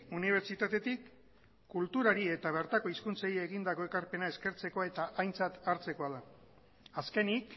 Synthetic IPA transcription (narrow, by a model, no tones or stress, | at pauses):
uniβ̞e̞ɾt͡ʃit̪at̪e̞t̪ikː | ult̪uɾaɾie̞t̪aβ̞e̞ɾt̪ako̞iskunsajeːɣind̪ako̞e̞kaɾpe̞nae̞ske̞ɾt͡se̞ko̞e̞t̪aʔajnt͡sat̪aɾt͡se̞ko̞aða | aske̞nik